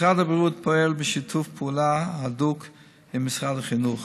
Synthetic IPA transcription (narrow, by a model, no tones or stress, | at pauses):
ʁadabɾiut̚pʰɔɛlbɪʃitʰufpʰuːlaaduk | ɪmmɪsʁadaχinuχ